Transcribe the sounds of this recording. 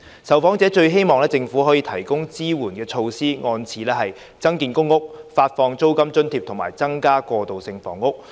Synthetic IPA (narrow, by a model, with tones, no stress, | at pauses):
sɐ˨˩wfɔː˨˥ŋt͡sɛː˨˥t͡ʃɵ˧ɥɦe˥jmɔː˨ŋlɛː˥t͡sɪ˧ŋfu˨˥ɦɔː˨˥jiː˧t̪ʰɐ˨˩jkʊ˥ŋt͡siː˥wuː˨˩nkɛː˧t͡ʃʰo˧wsiː˥ŋɔː˧nt͡sʰiː˨˧lɛː˥ɦɐ˨j | t͡sɐ˥ŋkiː˨˧nkʊ˥ŋːʊ˥k̚faː˧t̚fɔː˧ŋt͡so˥wkɐ˥mt͡ʃɵ˥nt̪ʰiː˧p̚t̪ʰʊ˨˩ŋmaː˨˩jt͡sɐ˥ŋkaː˥kɔː˧t̪o˨wsɪ˧ŋfɔ̰ː˨˩ŋːʊ˥k̚